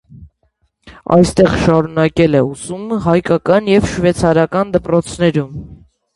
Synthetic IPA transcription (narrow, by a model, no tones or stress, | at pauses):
ɑ̰jst̪ɛʁʃɑɾunɑkɛlɛusuməɦɑjkɑkɑnjɛvʃvɛt͡sʰɑɾɑkɑnd̪əpɾɔt͡sʰnɛɾum